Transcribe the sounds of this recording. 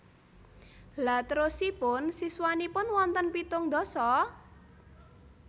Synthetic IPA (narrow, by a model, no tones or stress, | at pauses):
lat̪əɾʊsipʊnsiswanipʊnwɔnt̪ənpit̪ʊŋd̪ɔ̤sɔ